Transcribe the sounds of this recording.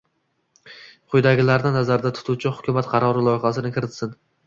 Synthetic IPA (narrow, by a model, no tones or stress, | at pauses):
qʰʊjd̪aɡʲɪlaɾnɪnazaɾd̪at̪ʰʊ̥t̪ʰʊwt͡ʃʰɪhʊkʲʰʊmat̪qʰɑɾɒɾɪlˠɒjχasɪnɪkʲʰɪɾɪt̪sɪn